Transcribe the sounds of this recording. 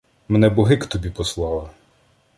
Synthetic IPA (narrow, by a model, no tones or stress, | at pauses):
mɛnɛbɔɦɪkt̪ɔbʲipɔslˠɑlˠɐ